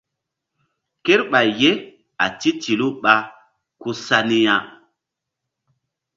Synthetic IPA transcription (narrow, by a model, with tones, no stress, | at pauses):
ke˦ɾɓa˨jːe˦ | a̰˨ti˦ti˨lu˦ɓa˦ | ku˦sa˦ni˦ja˦